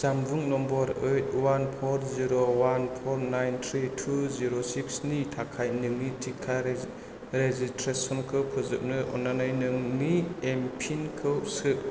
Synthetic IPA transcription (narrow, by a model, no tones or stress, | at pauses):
sambuŋnɔmbɔɾɯjt̚wanpʰɔɾziɾowanpʰɔɾnajnt̪ʰɾitʰuziɾosiksnitʰakʰajnɯŋnitʰikʰːa | ɾezistʰɾesɔnkʰɯwpʰɯzɯk̚nɯʔɔ̰nanajnɯŋniempʰinkʰɯwsɯʔ